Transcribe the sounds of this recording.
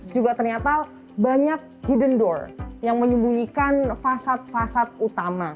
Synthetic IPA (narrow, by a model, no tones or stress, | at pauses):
d͡ʒuɡat̪ərɲat̪a | baɲak̚hidəndɔrjaŋməɲumbuɲikanfasat̪̚fasat̪̚ut̪ama